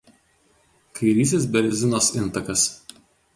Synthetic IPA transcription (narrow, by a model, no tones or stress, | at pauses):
kʰɐɪɾʲiːs̬ʲɪsbʲɛɾʲzʲɪnoːsɪnˑt̪ɐkɐs